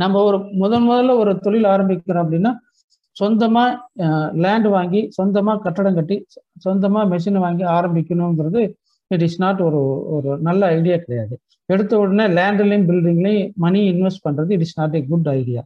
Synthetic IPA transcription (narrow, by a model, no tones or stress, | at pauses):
nɐmbɐɔɾɯmʊðɐlmʊðɐlːɐɔɾɯt̪ɔɻɪlaːɾɐmbɪkʲːɐɾõːɐp̬ːɐɽɪnːaː | sɔnd̪ɐmaːlaːɳɖʋaːŋɡisɔnd̪ɐmaːkɐʈːɐɽɐ̃ŋkɐʈːisɔnd̪ɐmaːmɛʂ̬ɪnʋaːŋɡiaːɾɐmbɪkʲːɐnʊ̃ŋɡɾɐðɯ | ɪʈɪsnaːʈɔɾɯɔɾɯnɐlːɐɐɪɽɪjaːkɪɽɐjaːðɯ | ɛɽɯt̪ːɐʋɔɽɐnelaːɳɖɪlɐbɪlɖɪŋɡɐlɐ̃mɐniɪnʋɛsʈ̚pɐɳːɾɐðɯɪʈɪsnaːʈ̬eɡʊɖɐɪɽɪja̰ː